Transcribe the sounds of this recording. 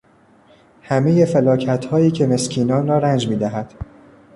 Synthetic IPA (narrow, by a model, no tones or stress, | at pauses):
hæme̞je̞felɒːcʰæt̪ʰhɒːiːcʰe̞me̞scʰiːnɒːnɾɒːɾænd͡ʒmiːd̪æɦæd̪̥